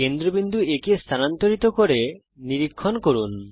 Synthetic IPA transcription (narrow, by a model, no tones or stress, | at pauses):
kend̪ɾobind̪ʱuekest̪ʰanant̪oɾit̪okoɾe | niɾikʰːonkoɾun